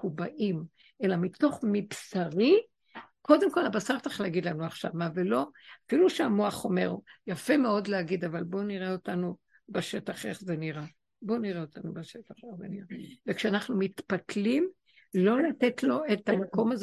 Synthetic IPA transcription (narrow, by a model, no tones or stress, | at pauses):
kubaʔim | ʔe̞lamito̞χmipsaʁi | ko̞d̪emko̞labasaʁtaχleaɡid̪lanuaχʃavmavelo̞afiluʃeamoaχo̞me̞̰ʁjafe̞meo̞dleaɡid̪avalbo̞niʁeo̞tanu | beʃe̞taχe̞χzeniʁa | bo̞niʁeotanubeʃetaχeχzeniʁavekʃeanaχnumitpatlim | lo̞lat̪etlo̞etamako̞maz